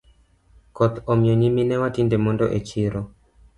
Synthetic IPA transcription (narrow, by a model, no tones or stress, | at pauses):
kɔt̪ɔmjɔɲiminɛwatindemɔndɔ̰ʔet͡ʃiɾɔ